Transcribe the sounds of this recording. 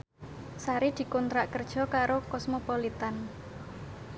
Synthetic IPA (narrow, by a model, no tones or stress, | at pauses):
saɾid̪̥i̤kɔnt̪ɾaʔkərd̥ʒ̥ɔ̤kaɾokɔsmopɔlit̪an